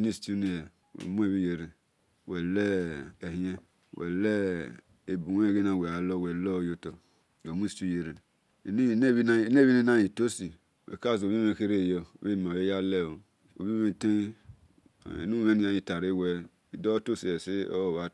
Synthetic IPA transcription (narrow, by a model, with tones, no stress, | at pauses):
ni˦stu˦ni˨jwḛ˨mu˦e˦˨βi˦je˨ɾe˨ | wɛ˨lɛ˦e˨hĩ˦e˦ | wɛ˨lɛ˦ | e˨bu˨we˦˨ɡe˦na˨we˨a˨lɔ˦˨wɛ˨lɔ˦˨jo˦to˨ | wo˨mu˦˨tu˦je˨ɾe˨ | n˦˨˦βi˦n˦˨˦ne˦βi˦ni˦na˦i˨to˦si˨ | wḛ˨ka˦˨zo˨βi˦e˦˨ke˦ɾe˦˨jɔ̰˨˦e˦˨m˨a˨e˦ja˦lɛ˦˨o˨ | o̰˨βi˦e˦˨te˦˨ | ḭ˨nu˦me˦ni˦a˨˦i˦ta˨ɾe˦˨wɛ˨ | i˨do˦to˦si˨ɛ˨si˦o̰˦˨βa˨